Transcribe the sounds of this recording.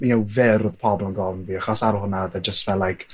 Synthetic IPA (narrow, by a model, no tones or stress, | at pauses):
miɛwvɪɾʊð̥pʰɔblənɡɔlˠnðiːaχɔsaɾɔhʊnaəðɛd͡ʒəstvɛlːajkʰ